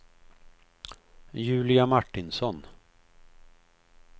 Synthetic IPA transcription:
jʉ̟ːlɪamaʈːɪnsɔn

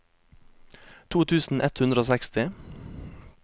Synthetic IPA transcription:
t̪ʰuːt̪ʰʉːsn̩ʔɛt̪hʉnd̪ɾəoːsɛkst̪ɪ

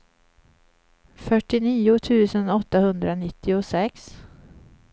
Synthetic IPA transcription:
fœʈːɪniːʊt̪ʰʉ̟ːsənɔt̪ːahɵnd̪ɾanɪt̪ːɪʊsɛks

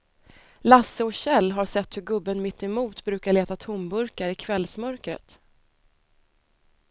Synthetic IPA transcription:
lasːəɔɕɛlːɦaɾʂɛt̪ːhɵɡɵbːənmɪt̪ːɛmuːt̪bɾʉ̟ːkaɭeːt̪at̪ʰʊmbɵɾkaɾɪkʰvɛlsmœɾkɾə̰t̪

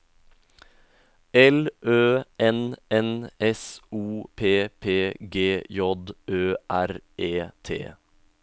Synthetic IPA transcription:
ɛlʔøːɛnɛnɛsuːpʰeːpʰeːɡeːjɔd̪øːʔæɾeːt̪ʰḛː

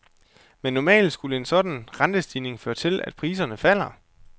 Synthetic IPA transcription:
menːɒmɛ̰ːld̥sɡ̥uləe̝nsɒ̽d̥n̩ʁɑ̈nd̥əsd̥iːne̝ŋføːɐt͡sʰe̝læ̰d̥̚pʰʁiːs̬ɐnəfæl̰ɐ

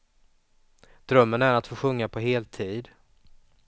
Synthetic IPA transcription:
d̪̥ɾœmːənæɾat̪foːɧɵŋːapʰɔɦeːlt̪ʰiːd̪

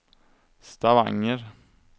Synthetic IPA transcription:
st̪ɑʋɑ̰ŋəɾ

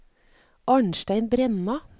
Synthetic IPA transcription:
ʔɑɳʃt̪æɪnbɾɛnɑ

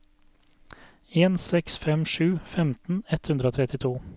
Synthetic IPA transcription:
eːnsɛksfɛmʃʉːfɛmt̪n̩ɛt̪hʉnd̪ɾəoːt̪ʰɾɛt̪ɪt̪ʰuː

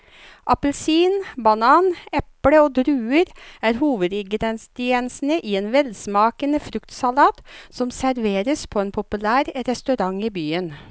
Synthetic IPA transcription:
ʔɑpəlsiːnbɑnɑːnɛpɽəoːd̪ɾʉːəɾæːɾhuːʋəd̪ɪɡɾɛnsd̪ɪɛnsn̩əʔiːeːnʋɛlsmɑːkənəfɾʉkt̪sɑlɑːt̪sɔmsæɾʋeːɾəspʰɔːeːnpʰʊpʉlæːɾɾɛst̪ʉɾɑŋiːbyːən

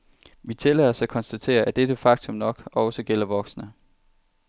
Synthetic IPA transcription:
ʋit͡sʰe̝lɛð̰ˠɒsækʰɒ̽nsd̥æt͡sʰe̝̰ːɐʔæd̥ed̥əfɑ̈ɡ̥̚t͡sʰɔ̽mnɒ̽ɡ̥ɒʊsɒɡ̥el̰ɐʋɒ̽ɡ̥snə

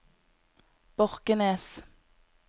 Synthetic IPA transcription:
b̥ɔʁkəneːs

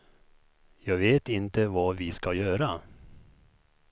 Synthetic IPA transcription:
jɑːɡveːt̪ɪnt̪əvɑːvɪskajœːɾa

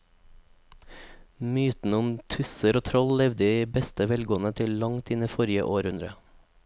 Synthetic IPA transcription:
myːt̪n̩əʊmt̪ʰʉsəɾoːt̪ʰɾɔllɛʋd̪əiːbɛst̪əʋɛlɡoːənət̪ʰɪllɑŋt̪ɪnifɔɾɪə̰ʔoːɾhʉnd̪ɾə

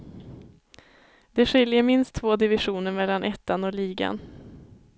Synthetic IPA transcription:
d̪̥ɛɧɪljəɾmɪnst̪ʰːvoːd̪ɪvɪɧuːnəɾmɛlːanʔɛt̪ːanɔliːɡa̰n

